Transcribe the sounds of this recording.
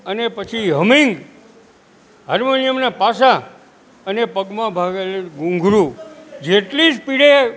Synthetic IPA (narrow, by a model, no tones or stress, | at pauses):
ənepət͡ʃʰiɦəmĩŋɡ | ɦəɾmonijəmnepasa | ənepəɡmãbʱaɡeleɡũŋɡʱɾũd͡ʒeʈlid͡ʒpiɽe